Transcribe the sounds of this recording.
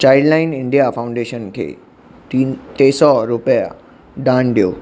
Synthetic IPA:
t͡ɕajllainɪɳɖijafaw̃ɳɖeɕənkʰḛ | tit̪esɔɾupəja̰ | ɖãnɖijo̰ː

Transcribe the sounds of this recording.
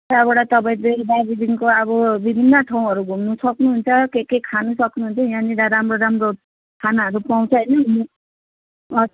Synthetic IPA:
abeɽat̪ʌbaĩdedabid̪iŋkoʌβʌbibʱinːʌʈʰaw̃ɦʌɾuɡʱumnusʌknuɦunt͡sʰʌkekekʰanusʌknuɦunt͡sʰʌjãnid̪aɾamroɾamro | kʰanaʌɾupaw̃t͡sʰʌʌjnʌni | ʌ

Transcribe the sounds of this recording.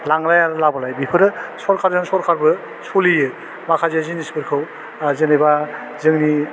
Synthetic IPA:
laŋɾajaɾɯlabalajbipʰɯɾɯsɔɾkʰaɾzɯŋsɔɾkʰaɾbɯ | solijɯ | makʰazezinisbɯɾkʰɯw | zenajba | zɯŋni

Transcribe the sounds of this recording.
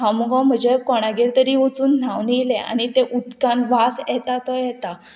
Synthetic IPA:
awmuɡãwm̤əd͡ʑekɔɽ̃aɡeɾt̪əɾiːʋət͡suːnn̤aʋniilẽa̰ñit̪eʔud̪kanʋasjɛt̪at̪ɔjɛt̪a

